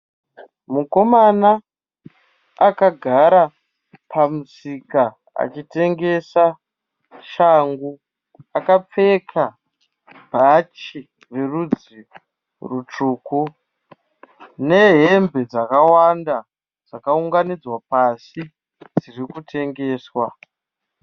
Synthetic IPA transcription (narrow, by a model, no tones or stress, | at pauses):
muko̞mana | kaɡʱaɾa | pʰamusika | a̰t͡ʃite̞ŋɡe̞sa | ʃaŋɡu | akap͡fe̞kʰa | bʱat͡ʃi | rerud͡zi | rut͡ʂuːku | ne̞ɦembe̞d͡zakawanda | d͡zakauŋɡanid͡zwapasi | d͡zirikutʰe̞ŋɡe̞ːswa